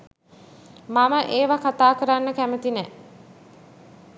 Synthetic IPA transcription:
maməʔeːʋakat̪aːkəɾanːəkæmət̪inɛ

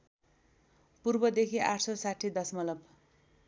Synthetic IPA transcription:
purbʌd̪ekʰiʔaʈʰsʌsaʈʰːid̪ʌsmʌlʌb

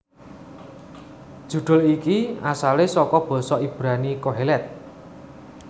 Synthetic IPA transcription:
d̥ʒ̥ṳɖ̪̥ʊ̤likiasalesɔkɔb̥ɔ̤sɔib̥ɾanikoɦelɛt̪̚

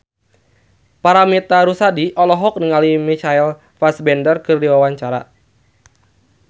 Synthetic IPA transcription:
paɾamit̪aɾusadiʔɔlɔɦɔk̚niŋalimit͡ʃail | fasbɛndərkɨrdiwawaɲt͡ʃaɾa̰

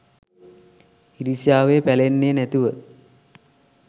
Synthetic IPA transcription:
hiɾisijaːʋepælenːenæt̪iʋə

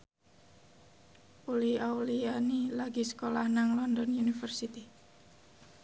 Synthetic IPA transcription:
uliaulianilaɡisə̥kolahnaŋlɔndɔnjunifərsit̪i

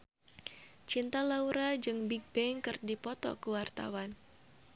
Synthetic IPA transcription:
t͡ʃint̪alauɾad͡ʒɨŋbiɡ̚bɛŋkɨrdipɔt̪ɔ̰kəwart̪a̰wan

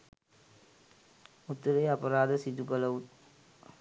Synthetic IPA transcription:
ut̪ːɐɾejɐpɐɾaːd̪əsid̪ukɐlɐʋut̪

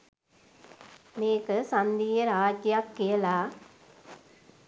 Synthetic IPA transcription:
meːkɐsɐnd̪iːjɐɾaːd͡ʒjakːelaː

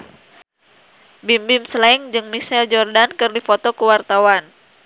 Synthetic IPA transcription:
bimbɪmsəlaɪŋd͡ʒɨŋmisɛld͡ʒɔrdankɨrdifot̪ɔkəwart̪awan

